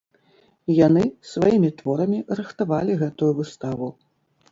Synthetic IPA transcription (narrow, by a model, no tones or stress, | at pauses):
jan̪ɨsvajimʲit̪vɔɾɐmʲirɨxt̪avalʲiɣɛt̪ujuvɨst̪avu